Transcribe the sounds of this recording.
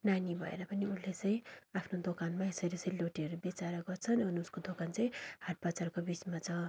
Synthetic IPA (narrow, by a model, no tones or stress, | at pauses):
nanibʱʌḛɾʌpʌniunlet͡sʌj̃apʰnod̪okanmaesʌɾisʌiloʈiʌɾubjit͡saɾʌɡʌrt͡sʰʌnʌnuskod̪okant͡sʌj̃haʈ̚bat͡sarkobit͡smat͡sʌ